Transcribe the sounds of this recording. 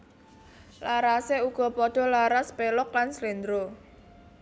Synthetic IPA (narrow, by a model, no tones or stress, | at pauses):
laɾaseuɡ̥ɔ̤pɔɖ̪̥ɔ̤laɾaspelʊklanslend̪ɾo